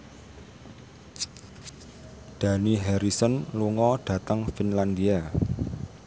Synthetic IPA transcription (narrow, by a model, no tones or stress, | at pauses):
d̪̥ä̤niɦɛɾisənluŋɔɖ̥ä̤t̪əŋfinland̪ia